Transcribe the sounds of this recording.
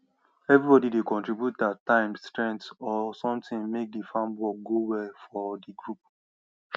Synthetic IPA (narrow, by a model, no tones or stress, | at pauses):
ɛvɹibɔdidekɔ̃ntɹibjutatːãɪ̃mstɹɛ̃ntsɔsɔ̃mtɪ̃nmek̚difãmbwɔk̚ɡowɛlfɔdiɡɹup̚